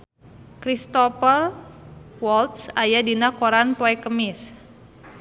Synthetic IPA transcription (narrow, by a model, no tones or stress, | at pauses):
kɾist̪ɔpər | wɔlt̪̚sajadinakoɾanpoɛkəmis